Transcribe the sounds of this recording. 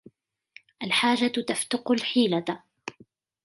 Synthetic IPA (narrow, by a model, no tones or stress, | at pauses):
ʔalħaːd͡ʒat̪aft̪ʊqʊlħiːla